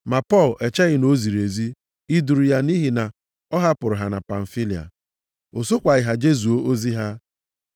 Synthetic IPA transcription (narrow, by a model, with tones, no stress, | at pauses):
ma˨pɔ˦˨lɛ˨t͡ʃa˦ɣɪ˦no˦zi˨ɾe˨zi˦ | i˦du˨ɾu˨ja˦ni˦ɦi˨na˨ | ɔ˦ɦa˦pʊ˨ɾʊ˨ɦa˨na˨pa˨n̩˨fi˦li˨a̰˨ | o˨so˦kʷa˨ɣɪ˨ɦa˨d͡ʒe˦zu˨o˦ʔo˦zi˦ɦa˦